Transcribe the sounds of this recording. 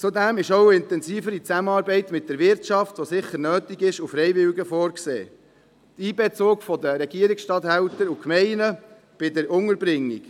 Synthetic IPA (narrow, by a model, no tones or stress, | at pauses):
t͡sudæmɪʃowɪntɛnziːfəɾit͡sæmənɑːɾbɛɪt̪mɪt̚d̥ɛɾʋɪɾtt͡ʃɑftʋosɪχəɾnøːtiɡɪʃufɾɛɪvɪlɡəfɔːɾksḛː | tiːbɛt͡soːkfɔd̪əɾɛɡ̥iəɾiksʃtɑt̪hæwtəɾukmɛɪnə | b̥ɪdəɾʊŋəɾbɾɪŋːḭk